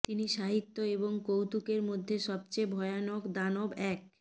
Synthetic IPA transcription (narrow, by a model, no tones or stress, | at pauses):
t̪iniʃaɦit̪ːoeboŋkowt̪ukeɾmod̪ʱːeʃɔb̚t͡ɕebʱɔeanokd̪anobɛk̚